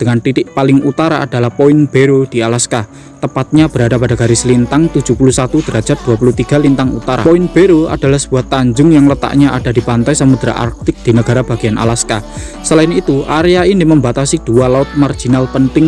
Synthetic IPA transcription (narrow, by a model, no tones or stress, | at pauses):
d̥əŋant̪it̪ɪʔpalɪŋut̪aɾa̰ːd̥alahpoɪnb̥eɾod̥i̤alaska | t̪əpat̪̚ɲab̥əɾadapadaɡ̥aɾɪsəlint̪aŋt̪u̥d͡ʒ̥ṳpulusat̪ud̪̥əɾadd͡ʒat̪̚d̥̪uapulut̪iɡ̥a̤lint̪aŋṵt̪aɾa̰poɪnb̥eɾoa̰d̥a̤lahsəb̥uɦat̪ːaɲd͡ʒʊŋjaŋlət̪a̰ʔɲaʔad̥ad̥i̤pant̪ajsəmud̪ɾa̰ʔa̰rk̚t̪ɪk̚d̪̥inəɡ̥aɾab̥aɡ̥ianʔa̰laska | səlaɪnit̪uʔaɾeainɪməmbat̪asid̥ualaʊt̪̚mard͡ʒ̥inalpənt̪ɪŋ